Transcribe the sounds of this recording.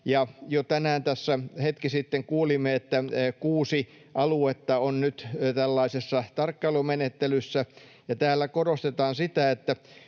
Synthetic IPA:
jɑjot̪ænæːnt̪æsːæhet̪kisit̪ːeŋkuːlimːeet̪ːækuːsi | ʔɑluet̪ːɑonnyt̪t̪ælːɑisesːɑt̪ɑrkːɑlomenet̪ːelysːæ | jɑt̪æːlːækoɾost̪et̪ɑːnsit̪æet̪ːæ

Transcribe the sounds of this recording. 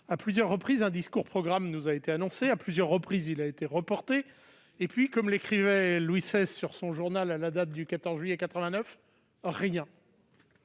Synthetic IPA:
aplyzjœʁːəpχizɛ̃d̪iskuʁpχɔɡʁamnuzaet̪eanɔ̃seaplyzjœʁːəpχizilaet̪eʁəpɔʁt̪eː | pɥikɔmlekχivɛlwisɛzsyʁsɔ̃ʒuʁnalalad̪at̪̚d̪ykat̪ɔʁzʒɥyjɛkat̪χəvɛ̃nœf | ʁjɛ̃

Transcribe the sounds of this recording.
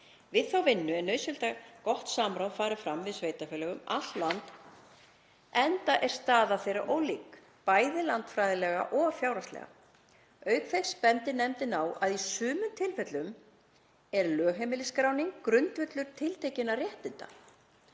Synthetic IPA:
vɪðθawvɪnːʏɛnœɥsɛlt̪akɔht̪saːmɾawfaːɾɪfɾamːvɪðsveːjt̪afɛːlɛɣʏma̰t̪lant̪ | ɛnt̪aʔɛɾ̥st̪aːðaθejrɾaʔoːwliːk | paːjðɪlant̪fɾajðɪlɛɣa̰ʔɔɣfjawɾast̪lɛ̰ɣa̰ | œːɥkθejspɛnt̪ɪnɛmt̪ɪnaːwaðisʏːmʏmt̪ʰɪlfɛt̪lʏm | ɛɾlœːɦemɪlɪskɾaːwniŋkːɾʏnt̪vʏt̪lʏɾ̥t̪ʰɪlt̪ʰejcɪnːarjɛht̪ɪnt̪a̰

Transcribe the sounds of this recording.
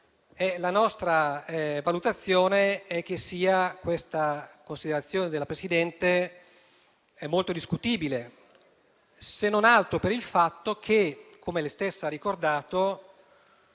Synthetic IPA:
ɛlanɔst̪ɾavalut̪at̪sːjoːneɛk̟ːesːiːakwest̪akonsid̪eɾat̪sːjoːned̪elapɾesid̪ɛnt̪e | ɛmːolt̪od̪iskut̪iːbile | senːonalt̪ɾopeɾilfat̪ːok̟ʰekʰomelest̪esːarikord̪aːt̪o

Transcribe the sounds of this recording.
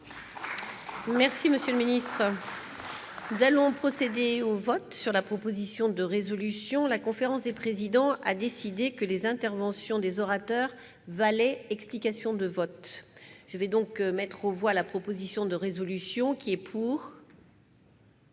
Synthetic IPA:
mɛʁsiməsjøləminist̪χ | nuzalɔ̃pχɔsed̪eovɔt̪syʁlapχɔpozisjɔ̃d̪əʁezɔlysjɔ̃lakɔ̃feʁɑ̃sd̪epχezid̪ɑ̃ʔa̰d̪esid̪ekəlezɛ̃t̪ɛʁvɑ̃sjɔ̃d̪ezɔʁat̪œʁ | valɛɛksplikasjɔ̃d̪əvɔt̪ʒ̥əvɛd̪ɔ̃kmɛt̪χovwalapχɔpozisjɔ̃d̪əʁezɔlysjɔ̃kʲiɛpʰuːʁ

